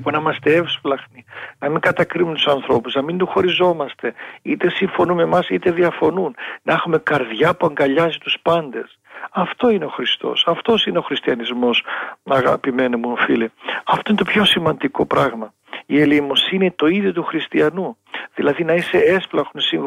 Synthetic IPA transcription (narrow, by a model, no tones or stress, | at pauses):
ponɐimɐst̪eefsflɐxninɐmiŋɡɐt̪ɐkɾiumet̪u̥sɐnθɾo̞puznɐmind̪uxo̞ɾizo̞mɐst̪e̞it̪e̞siɱfo̞nume̞mɐsit̪e̞ðiɐfo̞nunnɐexume̞kɐɾðʝɐpuɐŋɡɐʎɐzit̪uspɐnd̪e̞s | ɐft̪o̞ine̞o̞xɾist̪o̞̰sɐft̪o̞sineo̞xɾist̪iɐnizmo̞sɐɣɐ̰pime̞nemuofiliɐft̪oinet̪opço̞simɐnd̪iko̞pɾɐɣmɐ | ie̞limo̞sinit̪o̞iðjot̪̬uxɾist̪iɐnu | ðilɐðinɐise̞esflɐxonsiŋ